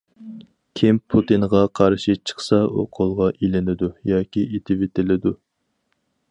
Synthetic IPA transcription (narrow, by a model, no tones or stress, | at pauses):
kʲʰimpʰut̪ɨnʁɑqʰɑɾʃit͡ʃʰə̥χsɑo̰qʰolˠʁɑʔilɪnɪd̪ujɑːkʲiʔet̪ʰɪvet̪ʰɪlɪd̪u